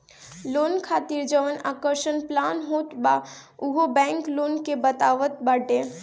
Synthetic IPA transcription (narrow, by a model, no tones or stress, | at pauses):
loːnkʰaːt̪iɾd͡ʒəʋəna̰ːkəɾʃənplaːnɦoːt̪baʊɦobɛ̃ːŋkloːnkebət̪aːʋət̪̚bəɖẽ